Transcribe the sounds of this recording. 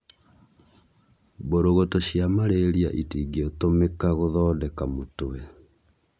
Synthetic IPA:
boɾoɣotoʃjamaɾeɾia̰ʔitiːɡiotomekaɣoðɔːdɛkamotowɛ

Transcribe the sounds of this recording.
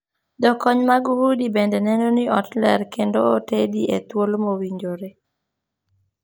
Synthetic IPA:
dɔkɔɲmaɡuhudibendɛnɛnɔnɪɔtlɛ̰ɾkendootediʔḛt̪wolmowiɲd͡ʒoɾe

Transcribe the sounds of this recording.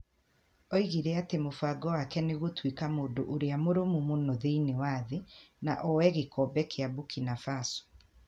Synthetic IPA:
ɔiɣiɾeatemofaɡɔwakɛneɣotwikamoːndoʔoɾeamoɾomumonoðeinewaːðenaʔɔwɛɣekɔbɛkʰeabukinafasɔ̥

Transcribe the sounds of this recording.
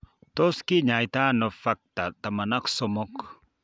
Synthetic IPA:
t̪oskiɲajt̪anofak̚t̪at̪amanaksomɔk

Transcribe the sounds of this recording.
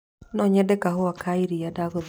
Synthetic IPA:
nɔɲɛdɛkaɦoakʰaiɾijadaɡɔð

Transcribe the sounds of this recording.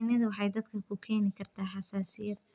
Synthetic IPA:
nɐðɐwɑħɑjd̪ɐd̪kʰɐkʰʊkʰɛːnɪkʰɐrt̪ʰaːħɑsaːsɪjɐd̪

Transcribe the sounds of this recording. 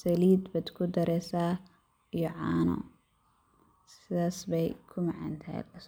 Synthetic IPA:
sɐliːd̪bɐd̪kʰʊd̪ɐɾɛsa | jɔʕaːnɔ̰ | sɪðaːsbɛjkʰʊmɐʕɐ̰nt̪ʰɐɛ̰lɐs

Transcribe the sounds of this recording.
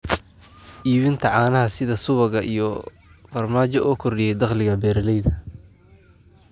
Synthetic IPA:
ʔiːβɪnt̪ʰɐʕɑːnɐɦɐsɪðɐsʊβɐɣɐʔḭjɔ | fɐrmaːt͡ʃɔʔɔːkʰɔrɪjɛjd̪ɑχlɪɣɐbɛːɾɐlɛjðɐ

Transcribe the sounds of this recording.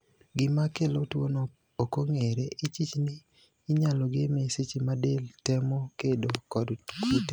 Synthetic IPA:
ɡɪmakelotwono | okoŋeɾeʔɪt͡ʃit͡ʃnɪː | ɲaloɡemeset͡ʃimadeltɛmokedokɔdkite

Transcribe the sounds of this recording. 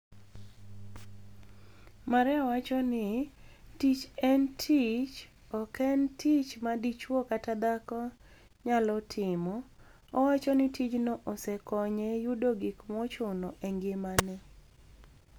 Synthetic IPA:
maɾɛɔwat͡ʃɔnɪtit͡ʃɛntʰit͡ʃ | ɔkʰɛntʰit͡ʃmadit͡ʃwɔkatad̪akɔ | ɲalɔtʰɪmɔ | ɔwat͡ʃɔnɪtʰit͡ʃnɔʔɔsɛkɔɲɛjudoɡikmɔt͡ʃʊnɔʔɛŋɡɪmanɛ

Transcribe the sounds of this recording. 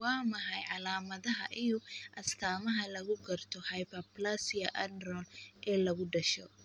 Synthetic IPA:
wɑːmɐɦɐjʕɑlaːmɐðɐɦɐʔijʊʔɐst̪ʰaːmɐɦɐlɐɣʊɡɐrt̪ʰɔhɐjpɐplasijɐʔɐnrɔlʔɛːlɐɣʊɖɐʃɔ̰

